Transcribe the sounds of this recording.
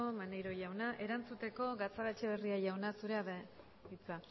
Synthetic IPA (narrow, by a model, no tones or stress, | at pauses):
omanejɾo̞jawnaʔe̞ɾant͡sut̪e̞ko̞ɣat͡saɣat͡ʃeβeriaʝawnasuɾe̞aβ | βit͡sa